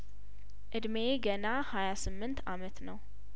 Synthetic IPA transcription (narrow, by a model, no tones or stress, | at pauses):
ʔɨd̪meɡənahajasɨmːɨnt̪amət̪nəw